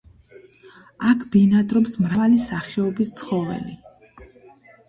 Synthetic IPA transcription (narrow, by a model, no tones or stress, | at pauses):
akʰb̥inad̪ɾɔpsmɾavalisaχɛɔbist̪sʰχɔvɛ̰li